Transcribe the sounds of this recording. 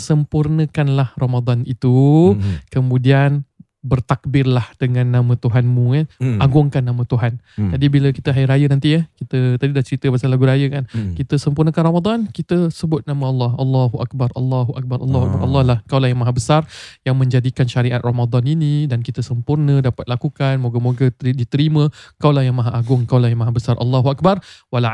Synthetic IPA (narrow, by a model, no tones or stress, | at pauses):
səmpurnə̃kanlahromad̪anit̪u | kəmũdian | bərt̪ak̚bɪrlahd̥əŋãnːãmə̃t̪uɦanmũəʔaɡʊŋkanːamə̃t̪uɦan | d͡ʒadibiləkit̪əɦajɾajənant̪ijəhkit̪ət̪adidat͡ʃəɾit̪əbasalaɡuɾajəkankit̪əsəmpurnə̃kanromad̪ankit̪əsəbʊt̪̚namə̃ɑlːɑhɑlːaɦuʔa̰k̚barʔɑ̰lːɑɦuʔa̰k̚baɾʔɑ̰lːɦuak̚baʔɑ̰lːɑlahkawlahjaŋmaɦabəsarjaŋmə̃ɲd͡ʒadikanʃaɾiʔat̪̚romad̪aninidankit̪əsəmpurnə̃dapat̪̚lakukanmoɡəmoɡədit̪əɾimə̃kawlahjaŋmaɦaʔaɡʊŋkawlahjaŋmaɦabəsaɾʔɑ̰lːaɦuak̚barwala